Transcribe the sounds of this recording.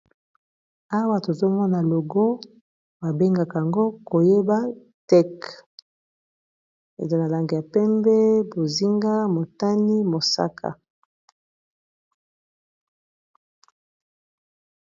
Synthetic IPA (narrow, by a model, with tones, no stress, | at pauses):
a˦wa˦to˨zo˦mɔ˦na˨lo˨ɡo˦ | ba˨be˦ŋɡa˨ka˨ja˨ŋɡo˦ko˨je˦ba˦ | tɛ˦k | ḛ˨zo˨na˨la˨ŋɡe˨ja˨pɛ˦mbɛ˦bo˨zi˦ŋɡa˦mo˨ta˦ni˦mo˨sa̰˦kʰa̰˨